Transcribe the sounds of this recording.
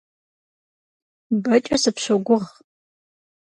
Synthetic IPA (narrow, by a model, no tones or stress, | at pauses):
bɐt͡ʃʼɐsɨpɕɐɡʷʊʁ